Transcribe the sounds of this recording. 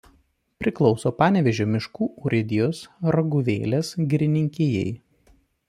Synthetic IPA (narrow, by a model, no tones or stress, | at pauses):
pʲɾʲɪklˠɒʊsoːpɑːnʲɛʋʲɛʒʲoːmʲɪʃkuːʔɔɾʲɪd̪ʲɪjoːsɾɐɡʊʋʲḛːlʲesɡʲɾʲɪnʲɪŋʲkʲeːjɛ̰ɪ